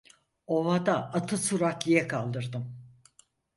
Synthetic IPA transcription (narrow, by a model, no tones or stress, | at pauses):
ovad̪aʔːt̪ʰɯsuɾakijɛkʰalˠd̪ɯɾd̪ɯm